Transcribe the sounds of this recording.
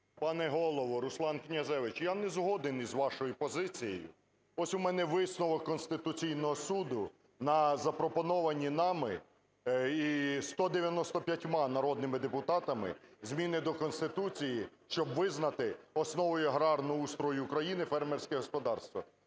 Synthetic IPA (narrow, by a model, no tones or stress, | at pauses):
pɑnɛɦɔlˠɔʋɔɾʊslˠɑnknʲɐzɛʋɪt͡ʃjanɛzɦɔd̪ɪnizʋɑʃɔjʊpɔzɪt͡sʲijḛjʊ̰ | ɔsʲʊmɛnɛʋɪsnɔʋɔkɔnst̪ɪt̪ʊt͡sʲijnɔɦɔsud̪ʊ | nɐzɐpɾɔpɔnɔʋɐnʲinɑmɪ | ist̪ɔd̪eʋʲjɐnɔst̪ɔpʲjɐtʲmɑnɐɾɔd̪̚nɪmɪd̪epʊt̪ɑt̪ɐmɪ̰zmʲinɪd̪ɔkɔnst̪ɪt̪ut͡sʲijiʃt͡ʃɔbʋɪznɐt̪ɪɔsnɔʋɔjʊɐɦɾɑrnʊust̪ɾɔjʊːkɾɐjinɪfɛrmɛrʲsʲkɛɦɔspɔd̪ɑrst̪ʋɐ